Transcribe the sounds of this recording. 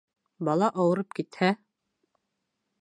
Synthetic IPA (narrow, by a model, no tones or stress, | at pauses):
bɑlˠɑʔɑwɤ̆ɾɤp̚kit̪hæ